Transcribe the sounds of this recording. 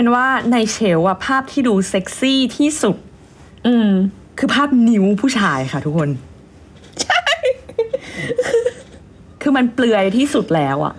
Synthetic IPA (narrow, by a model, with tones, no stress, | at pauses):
nwaː˥˩na˧jt͡ɕʰe˩˦wʔa˨˩pʰaː˥˩p̚t̪ʰiː˥˩duː˧se˦˥k̚siː˥˩t̪ʰiː˥˩su˨˩t̪̚ | ʔɯː˧˩m | kʰɯː˧pʰaː˥˩p̚ni˩˦wpʰuː˥˩t͡ɕʰaː˧jxʰa˥˩t̪ʰu˦˥kʰːo˧n | t͡ɕʰa˥˩j | kʰɯː˧ma˧nplɯ˧əjt̪ʰiː˥˩su˨˩t̪̚lɛː˦˥wʔa̰˨˩ʔ